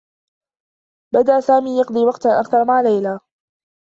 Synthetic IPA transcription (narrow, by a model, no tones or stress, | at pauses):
bad̪aʔsaːmiːjɑqd̪ˤɨiːwɑqt̪ʔakθɑɾˤmaʕlajlaː